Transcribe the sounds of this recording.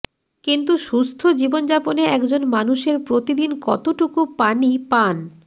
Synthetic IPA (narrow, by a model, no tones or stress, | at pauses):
kint̪̬uʃust̪ʰod͡ʑibond͡ʑaponeɛkd͡ʑonmanuʃeɾpɾot̪id̪inkɔ̰t̪oʈukupanipan